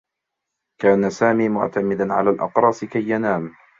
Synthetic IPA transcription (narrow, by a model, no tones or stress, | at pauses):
kaːnasaːmiːmʊ̰ʕt̪amɪd̪anʕa̰laːlʔɑ̰qɾˤɑːsɪkajːanaːm